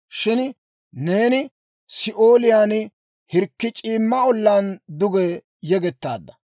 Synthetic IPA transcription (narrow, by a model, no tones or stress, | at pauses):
ʃɪn | ne̞ːnɪ | sɪʔoːlɪjaːn | hɪɾkːɪt͡ʃʼiːmːɐɔlːaːnd̪ʊɡɛ | jɛɡɛt̪ːa̰ːd̪ːɐ